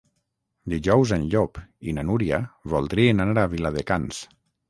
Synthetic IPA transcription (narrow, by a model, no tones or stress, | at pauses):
d̪iʒɔwzenʎopinanuɾiaβɔlˠd̪ɾienanaɾaβilaðekans